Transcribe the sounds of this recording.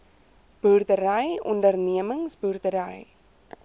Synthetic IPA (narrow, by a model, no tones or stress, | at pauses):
b̥ɵrtəɾəjɔ̰ndərniəməŋsbœrdəɾəj